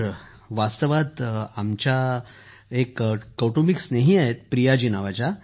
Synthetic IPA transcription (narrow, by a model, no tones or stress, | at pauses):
ʋast̪əʋat̪amt͡ɕja | ekːəʈomiksneɦiaɦet̪̚pɾijad͡ʑinaʋat͡ɕa